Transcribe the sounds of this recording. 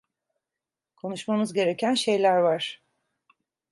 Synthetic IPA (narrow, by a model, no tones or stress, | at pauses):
kʰo̞nuʃmamɯzɟe̞ɾe̞cʰænʃe̞jlʲæɾvaɾ̥